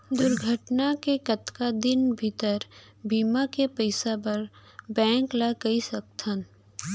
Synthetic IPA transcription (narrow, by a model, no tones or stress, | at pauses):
d̪ʊɾɡʱəʈnakekɐt̪kad̪ɪnbʱɪt̪əɾ | biːmakepəɪsapɐɾ | bɛ̃ːŋklakɐisɐk̚t̪ʰən